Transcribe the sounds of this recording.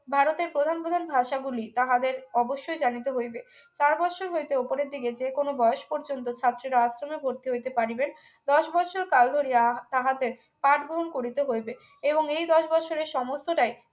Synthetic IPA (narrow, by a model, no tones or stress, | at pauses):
bʱaɾot̪eɾpɾod̪ʱanpɾod̪ʱanbʱaʃaɡulit̪aɦad̪eɾɔboʃːojd͡ʑanit̪eɦojbe | t͡ɕaɾbɔt͡ɕʰoɾɦojt̪eopoɾeɾd̪iɡed͡ʑekonobɔeoʃpɔɾd͡ʑont̪ot͡ɕʰat̪ːɾiɾaasɾomebʱoɾt̪iɦojt̪epaɾiben | d̪ɔʃbɔt͡ɕʰoɾkald̪ʱoɾiat̪aɦad̪eɾ | paʈɡoɦonkoɾit̪eɦojbe | eboŋejd̪ɔʃbɔt͡ɕʰoɾeɾʃɔmost̪oʈaj